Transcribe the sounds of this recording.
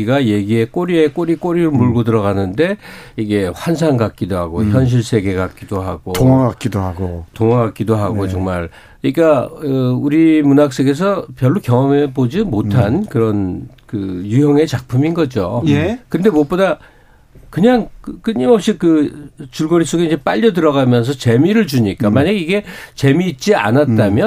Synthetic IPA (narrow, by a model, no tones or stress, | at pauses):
iɡaje̞ɡie̞k͈oɾiek͈oɾik͈oɾiɾomuɭɡodɯɾʌɣanɯnde̞iɡe̞ɸwans̬ʰaŋɡak̚k͈idoɦaɡoçjʌnɕ̬ʰiɭsʰe̞ɡe̞ɡak͈̚idoɦaɡooŋaɡakk͈idoɦaɡotoŋaɡak͈̚idoɦaɡot͡ɕoŋmaɭ | ɲik͈aɯuɾimunak̚s͈eɡe̞s̬ʰʌpjʌɭːokjʌŋʌmebod͡ʑimotʰankɯɾʌn | kɯjujʌŋe̞t͡ɕak̚pʰuminɡʌd͡ʑojekɯnde̞mʌp͈oda | kɯɲaŋk͈ɯɲimʌp̚ɕ͈ikɯt͡ɕuɭɡʌɾis͈oɡeind͡ʑep͈aʎːʌdɯɾʌɣamjʌns̬ʰʌt͡ɕe̞miɾɯɭd͡ʑuɲik͈amaɲaɡeiɡe̞t͡ɕe̞miːt̚t͡ɕ͈ia̰nat̚t͈amjʌ